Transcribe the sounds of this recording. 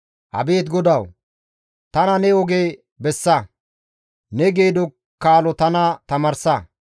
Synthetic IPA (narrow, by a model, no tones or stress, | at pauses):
hɐ̰be̞ːt̪ɡɔd̪ɐw | t̪ɐnɐnɛɔɡeː | bɛsːɐ | nɛɡeːd̪ɔ | kːaːlɔt̪ɐnɐt̪ɐmɐɾsɐ